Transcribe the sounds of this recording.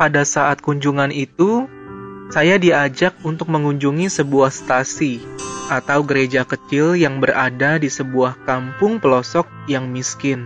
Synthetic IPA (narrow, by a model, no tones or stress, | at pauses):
padasaʔat̪̚kuɲd͡ʒuŋanit̪u | sajadiad͡ʒak̚unt̪ʊk̚məŋuɲd͡ʒuŋisəbuahst̪asiʔat̪awɡəɾed͡ʒakət͡ʃɪljaŋbəɾadadisəbuahkampʊŋpəlɔsɔk̚jaŋmiskɪn